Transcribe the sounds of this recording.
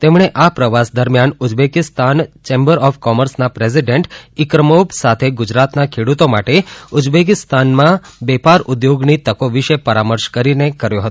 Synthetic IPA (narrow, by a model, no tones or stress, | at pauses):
t̪emɳ̃eʔapɾəʋasd̪əɾmjanʊd͡ʒbekɪst̪ant͡ʃembəɾɔfkɔməɾsnapɾes̬iɖeɳʈikɾəmopsat̪ʰeɡʊd͡ʒɾat̪nakʰeɽut̪omaʈeʊd͡ʒbekɪst̪anmãbɛpaɾʊd̪joɡnit̪əkoʋiʃepəɾaməɾʃkəɾinekəɾjoɦət̪o